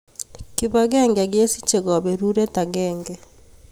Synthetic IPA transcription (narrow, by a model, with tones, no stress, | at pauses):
ki˨βa˨ɡɛ˦ŋɡa˨ɡje˦si˦t͡ʃe˨ɡa˨be˨ɾu˦ɾɛ˦ta˨ɡɛːŋɡɛ